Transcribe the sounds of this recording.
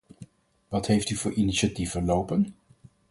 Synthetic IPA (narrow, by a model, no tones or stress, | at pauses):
ʋɑtɦejftyvʊːɹʔiniʃatifəlowpən